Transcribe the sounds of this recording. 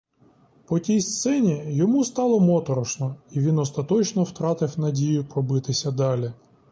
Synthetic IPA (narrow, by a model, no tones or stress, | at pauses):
pɔtʲijst̪sɛnʲijɔmust̪ɑlˠɔmɔt̪ɔɾɔʃnɔiʋʲinɔst̪ɐt̪ɔt͡ʃnɔwt̪ɾɑt̪ɪwnɐdʲijʊpɾɔbɪt̪ɪsʲɐd̪ɑlʲi